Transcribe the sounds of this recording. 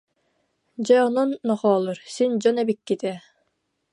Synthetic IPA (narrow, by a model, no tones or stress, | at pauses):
d͡ʑajɔnɔnːɔχɔːlˠuɾsind͡ʑɔnɛbikːit̪ɛ